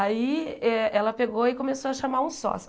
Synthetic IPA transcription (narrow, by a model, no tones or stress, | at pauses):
aiɛɛlɐpeɡoɪkõmesoɐʃamaɾũsɔ̰s